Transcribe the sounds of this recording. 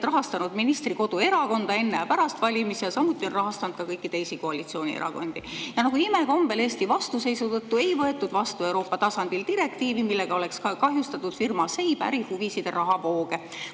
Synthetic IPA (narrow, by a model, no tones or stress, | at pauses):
rɑɦɑst̪ɑnud̪̥minist̪riko̞d̪̥ue̞ɾɑko̞nd̪̥ɑe̞nːejɑpæɾɑst̪vɑlʲimisjɑsɑmːut̪ːˑio̞nrɑɦɑst̪ɑnud̪̥̚kɑkɤjkːˑit̪e̞jsiko̞ɑlit̪sio̞ːnʲḭḛɾɑ̰ko̞̰nd̪̥ijɑnɑɡ̥uimeko̞mb̥e̞le̞ːst̪ivɑst̪use̞jsut̪ɤt̪ːue̞jvɤe̞t̪ːˑud̪̥vɑst̪ue̞wɾo̞ːpːˑɑt̪ɑsɑnd̪̥ilt̪iɾe̞kt̪iːvimilːe̞ɡ̥ɑo̞le̞kskɑɦjust̪ɑt̪ːˑud̪̥firmɑse̞jb̥æ̰ɾihuvisid̪̥erʔɑɦɑpo̞ːɡ̥e̞